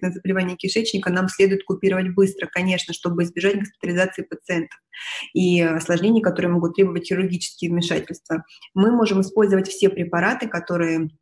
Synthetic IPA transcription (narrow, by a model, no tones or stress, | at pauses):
nəzəbəlʲɪvanʲɪjəkʲɪʂɛt͡ɕnʲɪkənamsʲlʲe̞d̪ʊjɪt̪̚kʊpʲiɾəvətʲbɨst̪ɾəkɐnʲe̞ʂnəʂt̪o̞bɨɪzbʲɪʐatʲɡəspʲɪ̥t̪əlʲɪzat̪sɨɪpət̪sɨɛnt̪ə̥fiɐslˠɐʐnʲenʲɪjəkɐt̪o̞ɾɨjəmo̞ɡʊt̪ːɾʲe̞bəvətʲxʲɪɾʲʊrɡʲit͡ɕɪ̥skʲɪjəvmʲɪʂatʲɪlʲst̪və | mɨmo̞ʐɨmɨspo̞lʲzəvətʲfsʲe̞pɾʲɪpɐɾat̪ɨkɐt̪o̞ɾɨjə